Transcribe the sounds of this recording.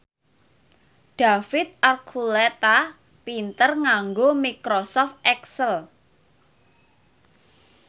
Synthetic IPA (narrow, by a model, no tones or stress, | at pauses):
ɖ̪̥a̤fɪt̪̚ʔarkʰulɛt̪a | pint̪ərŋaŋɡomikɾosɔft̪̚ɛksəl